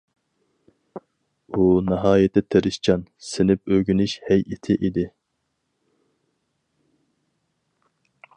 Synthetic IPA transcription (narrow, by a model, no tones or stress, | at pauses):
unɑɦɑːjet̪ɪt̪ʰeɾɪʃt͡ʃʰɑnsɪnɪp̚øɡʲynyʃhɛjʔet̪ʰɪʔid̪ɪ